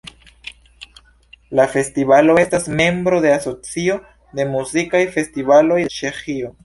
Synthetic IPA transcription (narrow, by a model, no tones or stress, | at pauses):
lafe̞stivalo̞e̞stasme̞mbɾo̞de̞aso̞t͡sio̞ | de̞muzikajfe̞stivalo̞jt͡ʃe̞xio̞